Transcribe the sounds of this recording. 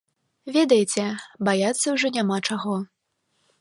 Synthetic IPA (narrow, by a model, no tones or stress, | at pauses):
vʲɛd̪ɐjt͡sʲɛbajat̪sːɐwʐɔnʲamat͡ʂaɣɔ